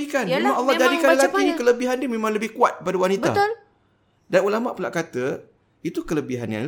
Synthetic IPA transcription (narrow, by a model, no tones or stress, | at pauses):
ikanemãŋɔlːɑhd͡ʒadikanlakikələbiɦandiəmẽmãŋləbɪhkuat̪̚kəpadawanit̪a̰t̪ʊl | danulamaʔpula̰ʔkat̪ə | it̪ukələbiɦa̰nja̰ŋl